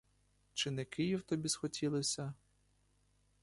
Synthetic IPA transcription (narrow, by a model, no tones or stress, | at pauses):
t͡ʃɪnɛkɪjiwt̪ɔbʲisxɔtʲʰilˠɪsʲɐ